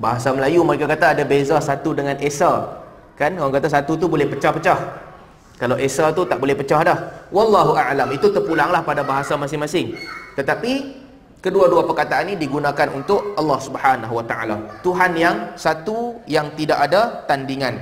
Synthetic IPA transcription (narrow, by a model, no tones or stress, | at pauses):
baɦasaməlajuməɾekakat̪aːdabezasat̪udəŋãnʔesa | kankaaŋkat̪as̬at̪ut̪̬ubolɛhpət͡ʃahpət͡ʃah | kalawʔesat̪ut̪aʔ̚bolɛhpət͡ʃahdahwɑlːɑɦuʔaʕlamit̪ut̪ərpulaŋlahpadabaɦasamasɪŋmasɪŋt̪ət̪api | kəduaduapərkat̪aʔanːĩdiɡunãkanṵnt̪ʊʔɑlːɑhsubhanaɦuwat̪aʔa̰lat̪uɦanjaŋsat̪ujaŋt̪idaʔadat̪andiŋãn